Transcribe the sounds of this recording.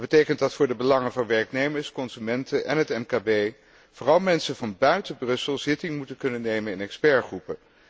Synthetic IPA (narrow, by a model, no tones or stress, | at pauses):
dbətejkəntdɑtfʊːɹdəbəlɑŋənvɑnʋɛɹknejməɹskɔnzymɛntəʔɛ̰nɦətɛmkabej | v̥ʊːrɑlˠmɛnsəvɑnbœɥtəbrɵsəlˠz̥ɪtɪŋmutəkɵnənejmənɪnɛkspɛɹχrupə